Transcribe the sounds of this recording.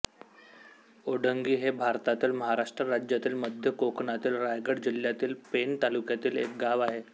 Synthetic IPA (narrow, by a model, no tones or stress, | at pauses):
oɽ̤əŋɡiːɦebʱaɾt̪at̪iːlməɦaɾaʂʈɾəɾad͡ʑjat̪iːlməd̪ʱjəkokɳat̪iːlɾajɡəɽd͡ʑil̤jat̪iːlpent̪alukjat̪iːlḛk̚ɡaʋaɦe